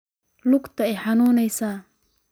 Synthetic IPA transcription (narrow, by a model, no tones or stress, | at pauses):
lʊɡt̪ʰɐɛjħɑnuːnɛjsaː